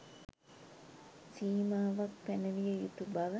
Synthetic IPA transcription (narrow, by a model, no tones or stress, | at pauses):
siːmaːʋak̚pænəʋijəjut̪ubaʋə